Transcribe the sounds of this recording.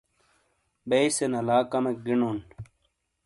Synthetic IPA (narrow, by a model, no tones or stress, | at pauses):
beisenɐlaːkɐmek̚ɡinon